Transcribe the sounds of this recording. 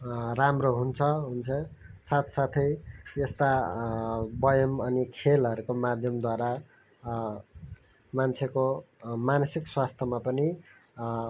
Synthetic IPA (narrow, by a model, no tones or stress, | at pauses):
ramroɦunt͡sʰʌɦunt͡sʰʌsat̪sat̪ʰʌjjʌst̪a | bʌjʌmʌnikʰelɦʌɾukomad̪ʱjʌmd̪waɾa | mant͡sʰekomanʌsikswast̪ʰʌmapʌni